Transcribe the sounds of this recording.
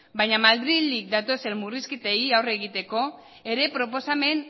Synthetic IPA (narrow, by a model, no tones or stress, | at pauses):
bajɲamald̪ɾilik̚d̪at̪o̞se̞nmuriskit̪eiawre̞ɣ̞it̪e̞ko̞ | e̞ɾe̞pɾo̞po̞same̞n